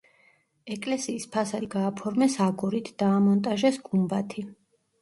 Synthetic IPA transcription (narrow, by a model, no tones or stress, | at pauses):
ɛkʼlɛsiːspʰasaɡaːpʰɔɾmɛsaɡuɾit̪ʰd̪̥aːmɔnt̪ʼaʒɛsɡumbat̪ʰi